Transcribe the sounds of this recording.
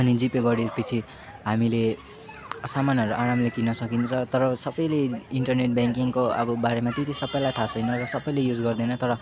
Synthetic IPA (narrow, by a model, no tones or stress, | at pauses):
ʌnid͡zipeɡʌɽipit͡sʰi | ɦamile | samanɦʌɾuʔaɾamlekinʌsʌkint͡sʰʌt̪ʌɾʌsʌbʌjleiɳʈʌrneʈ̚bjaŋkiŋkoʌ̰bʌbaɾemat̪et̪isʌbʌjlajt̪ʰasʌjnʌrʌsʌbʌjlejud͡zɡʌrd̪ʌjnʌt̪ʌɾʌ